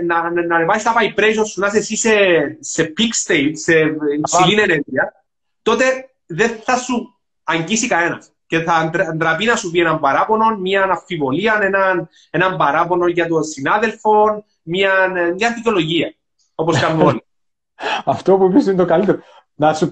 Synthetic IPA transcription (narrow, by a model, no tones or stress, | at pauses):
nɐnɐnevɐsist̪ɐpɐipɾejs̬osːunɐs̬esise̞se̞pikst̪ejtse̞ipsilineneɾʝiɐ | t̪o̞t̪e̞ | ðe̞θɐsu | ɐɲɟisikɐe̞nɐ̰s | ce̞θɐnd̪ɾnd̪ɾɐpinɐsupienɐmbɐɾɐpo̞no̞nmɲɐnɐfːivo̞liɐne̞nɐn | enɐmbɐɾɐpo̞no̞nʝɐt̪o̞nsinaðe̞lfo̞n | mɐnmɲɐdicolo̞ʝiɐ | o̞poskɐmːeoli | ɐft̪opuipisint̪okɐlit̪eɾo | nɐsu